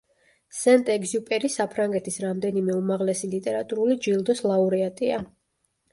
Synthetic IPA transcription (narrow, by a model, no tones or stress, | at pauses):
sɛnt̪ʼɛɡziupʼɛɾisapʰɾaŋɡɛt̪ʰisɾamd̪ɛnimɛumaʁlɛsilit̪ʼɛɾat̪ʼuɾulid͡ʒilˠd̪ɔslˠauɾiat̪ʼia